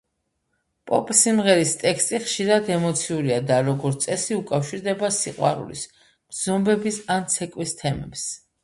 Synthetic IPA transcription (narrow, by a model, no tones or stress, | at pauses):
pʼɔ̰pʼsimʁɛɾist̪ʼɛkst̪ʼiχʃiɾad̪ɛmɔt̪sʰiuɾiad̪aɾɔɡɔɾt̪sʼɛsiukʼafʃiɾd̪ɛbasiqʼwa̰ɾṵlḭs | b̥z̥ɔmbɛbisant̪sʰɛkʼwist̪ʰɛmɛ̰ps